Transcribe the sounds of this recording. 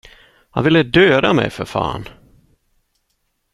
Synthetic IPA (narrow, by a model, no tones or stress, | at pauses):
ha̰nvɪlːəd̪øːd̪amɛ̰jfœɾfa̰ːn